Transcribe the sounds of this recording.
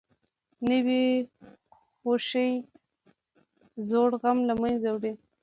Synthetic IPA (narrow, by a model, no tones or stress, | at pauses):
nəwi | xoʃəj | zoɽɣamlamanzawɽi